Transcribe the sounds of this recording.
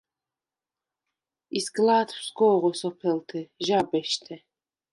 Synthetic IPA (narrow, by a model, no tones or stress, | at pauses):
isɡlaːt̪wsɡɔːʁɔsɔpʰɛlt̪ʰɛʒabɛʃt̪ʰɛ